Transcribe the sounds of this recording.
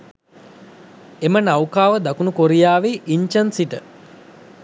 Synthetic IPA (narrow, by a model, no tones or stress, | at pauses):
emənawkaːʋəd̪akunukoɾijaːʋeʔiɲt͡ʃənsiʈə